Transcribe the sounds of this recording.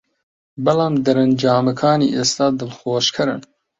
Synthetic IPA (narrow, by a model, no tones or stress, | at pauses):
bɐlɑːmd̪ɐɾɐnd͡ʒɑːmɐkʰɑːnḭːʔeːst̪ɑːd̪ɨlxoːʃkʰɨɾɨn